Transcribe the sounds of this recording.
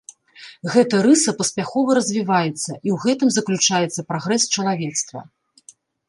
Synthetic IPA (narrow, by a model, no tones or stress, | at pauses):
ɣɛt̪ɐɾɨsɐpɐsʲpʲaxɔvɐɾɐzʲvʲivajɛt̪sːɐʔiwɣɛt̪ɨmzɐklʲut͡ʂajɛt̪sːɐpɾaɣɾɛst͡ʃɐlˠavʲɛt̪st̪vɐ̰